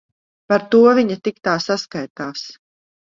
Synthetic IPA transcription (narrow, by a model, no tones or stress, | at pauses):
paɾt̪uɔvʲiɲat̪ik̚t̪aːsaskajt̪aːs